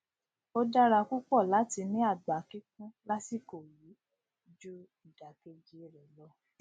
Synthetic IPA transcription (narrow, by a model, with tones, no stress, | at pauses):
o˦da˦ɾa˧ku˦k͡pɔ˦˨la˨˦ti˧nĩ˦a˦˨ɡ͡ba˨˦ki˦k̚ũ˦la˦si˦˨ko˨ji˨˦ | d͡ʒu˦ | i˦˨d̥a˨ke˧d͡ʒi˦e˦˨ɾɛ˨lɔ˦